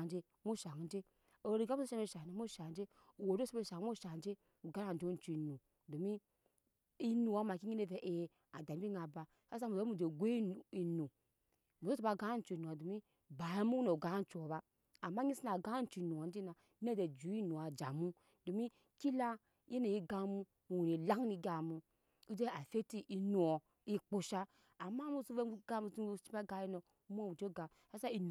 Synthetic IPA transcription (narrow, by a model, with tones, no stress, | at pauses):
d͡ʒe˦ | mu˦ʃa˨ŋ˨n˦d͡ʒe˦ | o˨ɾi˨ɡa˦mu˦o˦ʃa˦e˦˨ʃa˨d͡ʒe˦mo˦ʃa˨˦d͡ʒe˦ | u˨wo˨do˦so˦be˦˨ʃa˨˦mo˦ʃa˨˦d͡ʒe˦ | u˨ɡa˦a˦˨n̩˨d͡ʒo˦n̩˨˦t͡ʃu˨nu˨ | do˨mi˦ | i˦nu˨wa˦ma˨ki˦ɲi˦ne˦ve˨ʔe˨ | a˨da˨m˦bi˦ŋa˨ba˨ | ka˦sa˦mu˨˦mu˦˨d͡ʒe˨ɡʷe˦˨i˨nu˨ | mu˨zo˦o˨ba˦ɡa˦n̩˦t͡ʃu˨nu˨a˨do˨mi˦ | ba˨ja˦mu˦no˨ɡa˦n̩˦t͡ʃu˨o˨baː˦˨ | ma˦ɲi˦si˦na˨ɡa˦n̩˨t͡ʃu˨i˨nu˨a˨n˦di˦na˨ | ne˦de˨d͡ʒu˨˦i˦nu˨a˨d͡ʒa˨mu˦ | do˨mi˦ | ki˦la˦ | e˦ne˨ji˦ɡa˨mu˦˨ | u˨ni˨la˦ŋ˦ni˦˧ɡa˨mu˨ | i˦d͡ʒe˦a˨fe˦ti˦ʔi˨nu˨ɔ˨ | i˦k͡po˨ʃaː˦˨ | ma˦mu˦su˦ve˦ɡa˦mu˨˦t͡ʃi˦pa˦ɡa˧˦i˦no˨˦m˦o˦mu˨d͡ʒe˦ɡa˨ | ha˦sa˦i˨n˨